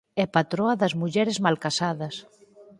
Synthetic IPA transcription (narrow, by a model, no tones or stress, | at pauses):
ɛpat̪ɾɔɐðɐzmuʎɛɾezmalkasaðɐs